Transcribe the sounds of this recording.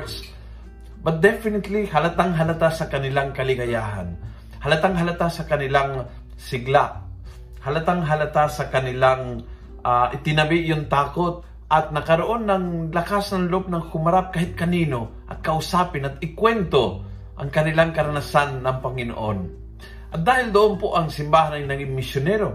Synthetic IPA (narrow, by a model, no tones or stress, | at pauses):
s | bɐt̪̚d̪ɛfɪnɪt̪lihɐlat̪aŋɦɐlat̪asɐkɐnɪlaŋkɐlɪɡɐjaːɦa̰n | hɐlat̪aŋɦɐlat̪asɐkɐnɪlaŋ | sɪɡlaʔ | hɐlat̪aŋɦɐlat̪asɐkɐnɪlaŋ | aʔɪt̪ɪnɐbɪʔjont̪aːkot̪̚ | ʔɐt̪̚nɐkɐɾoʔonːɐŋlɐkasnɐŋlop̚nɐŋhʊmɐɾap̚kaːɦɪt̪̚kɐniːnoʔɐ̰t̪̚kɐʔʊsaːpɪnɐt̪ɪkwɛnt̪o | ʔɐŋkɐnɪlaŋkɐɾɐnasanːɐŋpɐŋɪno̰ʔon | ʔɐt̪̚d̪aːhɪld̪oʔonpoʔɐŋsɪmbaːhanɐjnɐɡɪŋmːɪsjonɛɾo